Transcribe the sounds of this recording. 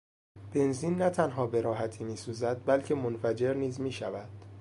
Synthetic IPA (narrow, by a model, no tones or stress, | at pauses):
b̥e̞nziːnːæt̪ʰænɦɒːbe̞ɾɒːɦæt̪ʰiːmiːsuːzæd̪̚bælcʰe̞monfæd͡ʒe̞ɾniːzmiːʃævæd̪̥